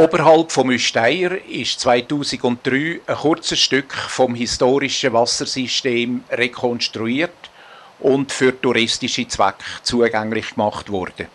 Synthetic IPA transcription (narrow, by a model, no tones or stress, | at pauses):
oːbəɾɦɑlpfɔmyʃtaɪəɾɪʃt͡svaɪtuːsɪɡʊnt̚d̥ryːəχʊrt͡səʃtʏkχfɔmɦistoːɾɪʃəvɑsəɾsiʃteːmrekʰɔnʃtɾuiːərt | ʊntfʏɾtuɾɪstɪʃit͡sva̰kχt͡suːəɡaŋlɪχkmɑχtvɔ̰rd̥ə